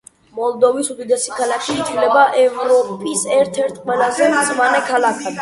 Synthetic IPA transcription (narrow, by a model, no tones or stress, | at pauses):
mɔlˠd̪ɔvisud̪id̪ɛsi̥kʰalakʰiːt̪sʰlɛbaʔɛvɾɔpʼisɛɾt̪ʰɛɾt̪ʰqʼwɛlˠazɛmsmanɛkʰalakʰad̪